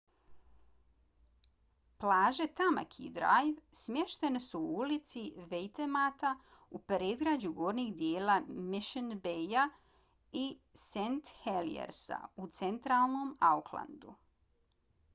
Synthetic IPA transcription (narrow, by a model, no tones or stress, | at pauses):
plˠaːʒe̞t̪ama̰kʰḭd̪ɾa̰jʋsmjeʃt̪e̞nesuuulit̪siʋejt̪emaːt̪a | upɾeːd̪ɡɾad͡ʑuɡoːɾnixd̪jeːlamiʃenbeja | isent̪helḭḛɾsa̰ut̪se̞nt̪ɾaːlˠno̞maukʰlˠa̰nd̪u